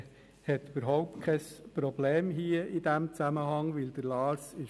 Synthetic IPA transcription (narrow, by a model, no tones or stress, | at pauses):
hɛt̪yb̥əɾɦɔʊp̚tkʰɛspɾɔbleːmɦiːəid̥̪æmt͡sæməɦɑŋʋɪld̪̥əɾlɑːsɪ